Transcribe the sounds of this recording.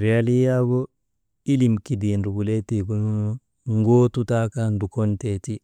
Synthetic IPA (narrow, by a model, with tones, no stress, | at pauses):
ɾiali˦ja˦ɡo˦ | i˦li˨mki˨dindu˨ɡu˨le˦ti˨ɡunu˦no | ŋɡoː˦tu˦takandu˨ko˦nteti˦